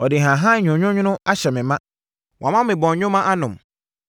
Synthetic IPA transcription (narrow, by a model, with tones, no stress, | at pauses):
ɔ˨dɪ˨ɦã˨ɦã˦ɲᶣʊ̃˨ɲᶣʊ̃˦ɲʊ̃˦nʊ̃˦a˦ɕɛ˨mɪ̃˨mã˦ | wʔã˨mã˦ɪ̃˨bɔ̃˨ɲ˨ɲᶣʊ̃˦mã˦ʔa˦nʊ̃˨m